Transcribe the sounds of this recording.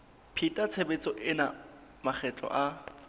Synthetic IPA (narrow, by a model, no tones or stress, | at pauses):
pʰitʼat͡sʰebet͡sʼɔʔɪna | maχʰɛt͡ɬʼɔ̰ʔa